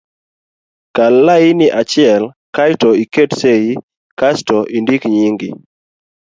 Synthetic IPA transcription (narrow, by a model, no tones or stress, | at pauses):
kalːainɪʔat͡ʃɪɛl | kajtɔiketsei | kastɔʔindikɲiŋɡɪ